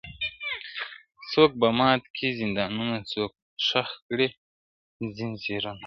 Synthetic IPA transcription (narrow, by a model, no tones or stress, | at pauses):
t͡soːk̚bɐmɑːt̪kʰizind̪ɑːnunasoːk̚ | ʂaxkɽi | zinseɾun